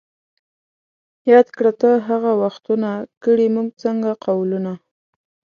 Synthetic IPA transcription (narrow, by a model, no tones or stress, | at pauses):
jɑd̪kɽat̪əɦaɣawaxt̪unakəɽimuɡ̚t͡səŋɡaqawluna